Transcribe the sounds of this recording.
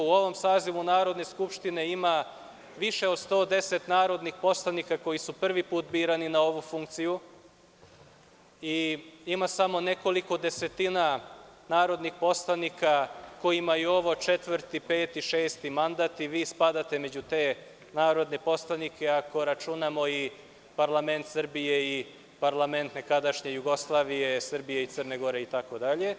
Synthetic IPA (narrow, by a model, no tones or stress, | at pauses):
uo̞ʋo̞msaːziʋunaːɾo̞d̪ne̞skupʃt̪ine̞ima | ʋiʃe̞o̞d̪̥st̪o̞ːd̪e̞se̞t̪naːɾo̞d̪nixpo̞slˠanikako̞jisupr̩ʋipuːt̪biːɾaninao̞ʋufuŋk̚t̪siju | iimasamo̞ne̞ko̞liko̞d̪e̞se̞t̪inanaːɾo̞d̪nixpo̞slanikako̞imajio̞ʋo̞t͡ʃet̪ʋrt̪ipeːt̪iʃeːst̪imand̪at̪iʋiːspad̪at̪eme̞d͡ʑut̪e̞ː | naːɾo̞d̪ne̞po̞slˠanikʰeako̞ɾat͡ʃunamo̞i | paɾlˠame̞nt̪sr̩bije̞i | paɾlˠame̞nt̪ne̞kad̪aʃɲejuɡo̞slˠaːʋije̞srbijeit̪sərne̞ɡo̞ɾe̞it̪ako̞d̪aʎe̞